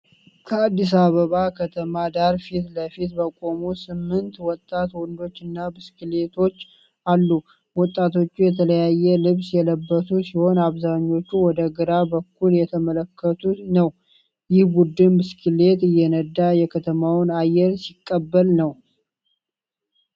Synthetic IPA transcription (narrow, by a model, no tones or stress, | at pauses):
kʰəad̪ːis̬aβəβakʰət̪ʰəmad̪aɾfit̪ləfit̪bəkʼo̞musɨmːɨnt̪wɔt̪ʼːat̪wɔnd̪o̞t͡ʃːɨnːabɨskɨlet̪ʰo̞t͡ʃː | ʔalːu | wɔt̪ʼːat̪ʰo̞t͡ʃːujɛt̪ʰələjajːɛlɨβsjɛləbːət̪ʰusiho̞naβzaɲːo̞t͡ʃːuwɔd̪əɡɨɾabəkʰːuljɛt̪ʰəmələkːət̪ʰunəw | jɪhbud̪ɨnbɨskʰɨle̞t̪ɨjːɛnəd̪ːajɛkʰət̪ʰəmawnajːɛɾsikʼːəbːəlnəw